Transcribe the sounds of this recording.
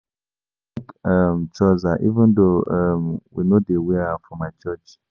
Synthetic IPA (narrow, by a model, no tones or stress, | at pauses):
kamt͡ʃɔzaʔivɛ̃ndoʌmwḭnodewiafɹɔ̃mat͡ʃət͡ʃ